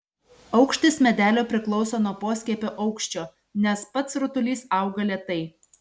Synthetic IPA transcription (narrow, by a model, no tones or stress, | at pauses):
ɒʊkʃʲt̪ʲɪsmʲɛd̪ʲæːlʲoːpʲɾʲɪklˠɔʊsoːnuɔpoːsʲkʲɛpʲoːʔɐʊkʃʲt͡ʃʲoː | nʲɛspɐt̪sɾʊt̪ʊlʲiːsɑˑʊɡɐlʲeɛt̪ɐɪ